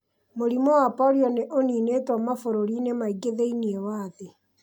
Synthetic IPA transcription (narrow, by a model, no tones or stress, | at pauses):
moɾimɔwapɔɾjɔneʔoniːnetɔmafoɾoɾinemaiɡeðeiniewaːðe